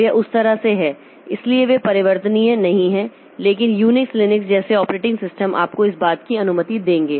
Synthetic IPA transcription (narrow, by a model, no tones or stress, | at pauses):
eʔʊst̪ɐɾaseɦɛː | ɪslieʋepɐɾɪʋəɾt̪əniẽnɐɦĩɦɛ̃ː | leːk̬ɪnjuːnɪkslɪnɪksd͡ʒɛːseɔːpɾeːʈɪ̃ŋɡsɪsʈəmʔa̰ːp̚koɪsbaːt̪kiɐnʊmət̪id̪ẽːŋɡeː